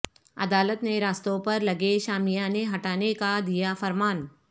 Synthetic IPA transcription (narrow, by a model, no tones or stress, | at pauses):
ɐ̰d̪aːlət̪neɾaːst̪õpɐɾlɐɡeʃaːmijãneɦɐʈaːnekad̪ijafɐɾmaːn